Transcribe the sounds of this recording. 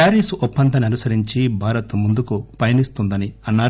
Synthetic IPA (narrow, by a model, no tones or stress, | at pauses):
aːɾiːsuʔɔpːɐnd̪ɐniɐnusɐɾiɲt͡ʃibʱaːɾɐt̪umund̪ukupɐjɐnist̪und̪ɐniɐnːaːɾ